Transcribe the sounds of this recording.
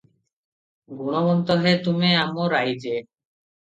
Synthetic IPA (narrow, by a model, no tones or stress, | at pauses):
ɡuɽ̃obɔnt̪oɦet̪umeamoɾajd͡ʑe